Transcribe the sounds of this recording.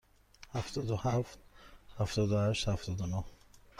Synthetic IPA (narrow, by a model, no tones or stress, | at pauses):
haft̪ʰɔd̪uhaft̪haft̪ɔd̪ʊhaʃt̪haft̪ʰɔd̪unuh